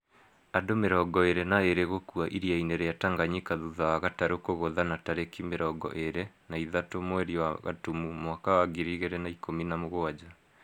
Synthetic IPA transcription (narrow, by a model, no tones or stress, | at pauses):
adomeɾɔɡɔeɾɛnaeɾeɣokuaʔiɾiaineɾeataŋɡaɲikaðuðawaɣataɾokoɣoðanataɾekimeɾɔɡɔ̰ʔeɾɛ | naiðatomwɛɾiwaɣa̰tumumwakawaɡiɾiɣeɾɛnaikominamoɣoad͡ʑa